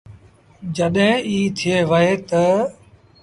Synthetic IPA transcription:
d͡ʒəɗɦiːt̪ʰɪeːʋəɦeːt̪ə

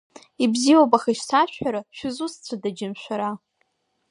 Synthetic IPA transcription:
ibziwowpʼaχaʃsaʃʷᶣaɾaʃᶣʊzust͡sʷʰadad͡ʒɪmʃʷᶣaɾa

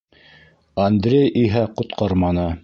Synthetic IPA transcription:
ɐnd̪ɾʲejʔiɦæqŏt̪qɑɾmɑnɤ

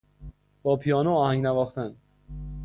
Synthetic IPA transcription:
b̥ɒːpʰijɒːnoɒːhæŋɡnævɒːxt̪æn

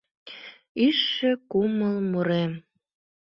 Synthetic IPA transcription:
yʃːekuməlmuɾem

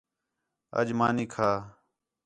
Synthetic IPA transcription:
ə̰d͡ʒmaːniːkʰaː

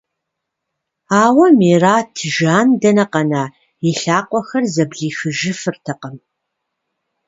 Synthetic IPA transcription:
aːwɐmeːraːtʰɨʒaːndɐnɐqɐnaː | iɬaːqʷʼɔxɐrzɐbɮiːxɨʒɪfɨrtʰɐqəm

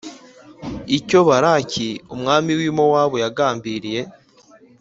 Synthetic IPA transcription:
ico̞βaɾaciumŋaːmiwimo̞waːβojaɡaːmbiɾije̞

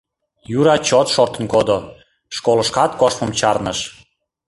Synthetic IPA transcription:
juɾɑt͡ɕot̪ʃort̪ə̆nkod̪o | ʃkoləʃkɑt̪koʃpəmt͡ɕɑrnəʃ

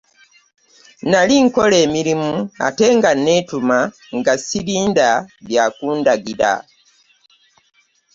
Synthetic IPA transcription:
naliŋko̞le̞ːmiɾimua̰te̞ŋɡanːetuma | ŋɡasiβiːndaljakuːndaɡiɾa̰

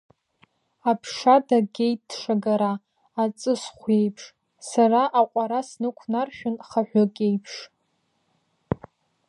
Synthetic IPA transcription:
apʰʂadaɡʲejt̚ːʂaɡaɾaː | t͡sʼɨsχʷje̞jpʰʂ | saraʔaqʷʼaɾasnɨkʷʰnarʃᶣʊnχaħʷᶣokʲʼe̞jpʰʂ

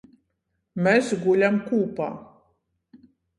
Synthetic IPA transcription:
mesɡulʲamkuːpa̰ː

